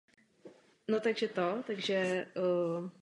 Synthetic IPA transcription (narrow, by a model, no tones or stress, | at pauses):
not̪aɡʒɛt̪ot̪aɡʒɛ